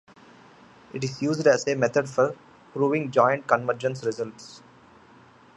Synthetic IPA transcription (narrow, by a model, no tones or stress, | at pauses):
ɪʈɪzjuːzɖæzemɛt̪ʰəɖfɔɾ | pɾuːʋɪ̃ŋɡd͡ʒɔɪ̃ɳʈ̚kə̃nʋəɾd͡ʒə̃nsɾɪzəlʈs